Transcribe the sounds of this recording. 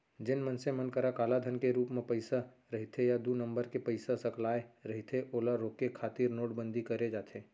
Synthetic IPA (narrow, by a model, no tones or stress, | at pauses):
d͡ʒɪnmənsẽmənkəɾakaːlad̪ʱənkeɾuːpmẽpəɪsa | ɾɐɦit̪ʰejad̪unə̃mbəɾkepəɪsasɐklaːeɾɐɦit̪ʰeʔoːlaɾoːkekʰaːt̪iːɾnoːʈbə̃nd̪ʱikɐɾed͡ʒaːt̪ʰeː